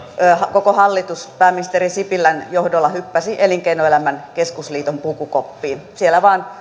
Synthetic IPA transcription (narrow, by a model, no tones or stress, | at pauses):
hɑkokohɑlːit̪uspæːmːinist̪erisipilːænjohdolːɑhypːæsiʔeliŋkeinoelæmænkeskusliːt̪ompukukopːiːnsielːæʋɑːn